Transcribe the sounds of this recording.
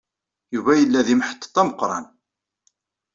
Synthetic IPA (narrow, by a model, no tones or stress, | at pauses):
juvæjəlːæðimħə̥t̪ˤːt̪ˤːɑməqːɾˤɑ̰n